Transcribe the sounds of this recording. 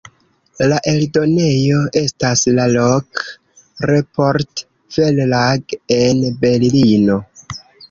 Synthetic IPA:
laʔe̞ldo̞ne̞jo̞e̞staslalok | ɾepoɾt | fellaɡe̞nbe̞llino̞

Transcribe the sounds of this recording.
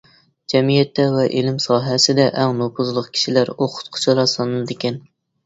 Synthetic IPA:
d͡ʒɛmijɛt̪ːɛvɛʔelɪmsɑːɦɛsɪd̪ɛʔæŋnopʰʊzlˠəq̚kʲʰi̥ʃilæɾoqʰʊ̥t̪̚qʰʊ̥t͡ʃʰɑɾˠɑsɑnɨlˠɨd̪ekʲɛn

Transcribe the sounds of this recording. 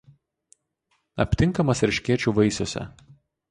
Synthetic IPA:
ɐ̰pʲt̪ʲɪŋˑkɐmɐsɾʲɪʃʲkʲiɛt͡ʃʲuːʋɐɪsʲoːsʲɛ̰

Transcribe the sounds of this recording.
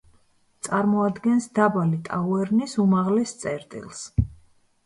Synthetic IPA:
t̪sʼaɾmɔad̪ɡɛnsd̪abalit̪ʼauɛɾnisumaʁlɛst̪sʼɛɾt̪ʼḭlˠs

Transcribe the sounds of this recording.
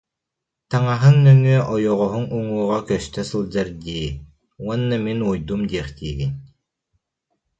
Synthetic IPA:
t̪aŋaɦɯnːœŋyɛʔɔjɔʁɔɦuŋuŋuːʁakœst̪œsɯlˠd͡ʑaɾd̪iː | uɔnːaminujd̪umd̪iɛχt̪iːɡin

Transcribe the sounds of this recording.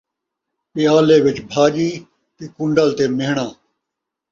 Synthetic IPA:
pɪjaːleːʋɪt͡ʃbʱaːd͡ʒiː | t̪eːkʊ̃ɳɖəlt̪eːmeːɦɳãː

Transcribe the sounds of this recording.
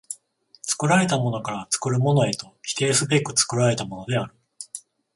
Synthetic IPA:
t͡sɨ̥kɯ̟ɾaɾe̞t̪amo̞no̞kaɾat͡sɨ̥kɯ̟ɾɯ̟mo̞no̞e̞t̪o̞çi̥t̪e̞ːsɨbekɯ̟t͡sɨ̥kɯ̟ɾaɾe̞t̪amo̞no̞d̪e̞aɾɯ̟

